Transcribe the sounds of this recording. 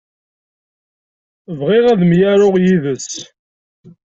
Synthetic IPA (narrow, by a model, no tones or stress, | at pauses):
vʁɪʁæðmjaɾʊʁjiðəs